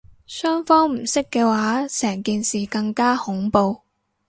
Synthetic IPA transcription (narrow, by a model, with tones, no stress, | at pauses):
sœː˥ŋfɔː˥ŋm̩˨˩sɪ˥kːɛː˧waː˨˥sɛː˨˩ŋkiː˨˧nsiː˨kɐ˧ŋkaː˥hʊ˨˥ŋpo˧w